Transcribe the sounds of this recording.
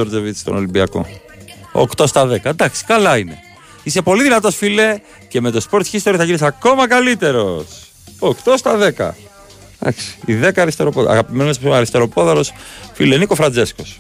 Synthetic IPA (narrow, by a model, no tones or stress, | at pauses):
oɾd͡zevit͡si̥st̪o̞̰no̞limbiɐko̞̰ | kt̪o̞st̪ɐðe̞kɐd̪ɐksi̥kɐlɐine̞ | ise̞po̞liðinɐt̪o̞sfile̞ | ce̞me̞t̪ospo̞ɾt̪çist̪oɾioθɐʝinis̬ako̞mɐkɐlit̪e̞ɾo̞s | okt̪o̞st̪ɐðe̞kɐ̰ | d̪ɐ̰ksi̥iðe̞kɐːɾist̪e̞ɾo̞poðɐ̰ɣɐpimenns̬osimɐɾist̪e̞ɾo̞po̞ðɐlo̞sfilenikofɾɐnd͡ze̞sko̞s